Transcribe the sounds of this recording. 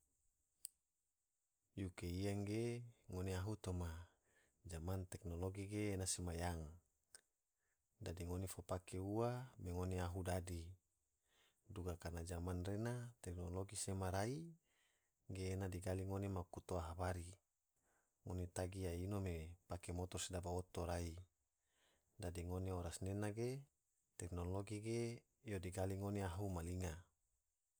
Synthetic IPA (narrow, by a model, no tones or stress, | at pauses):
jukeiaŋɡeŋoneaɦut̪oma | d͡ʒamant̪ɛknoloɡiɡeːnasemajaŋ | dadiŋonifopakʰeuameŋoneaɦudadi | duɡakanad͡ʒamanrenat̪ɛknoloɡisemaɾai | ɡeːnadiɡaliŋonemakut̪oaɦabaɾi | ŋonet̪aɡiainomepakemot̪osidabaot̪oɾai | dadiŋoneoɾasnenaɡe | t̪eknoloɡiɡe | jodiɡaliŋoneaɦumaliŋa